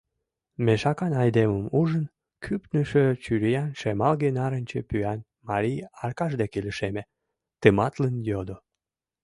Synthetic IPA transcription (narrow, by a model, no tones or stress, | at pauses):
meʃɑkɑnɑjd̪eməmuʒən | kʰypnəʃøt͡ɕyɾijɑnʃemɑlɣenɑɾənʲt͡ɕepyæn | mɑɾʲijɑrkɑʒd̪ekeləʃeme | t̪əmɑt̪lənjod̪o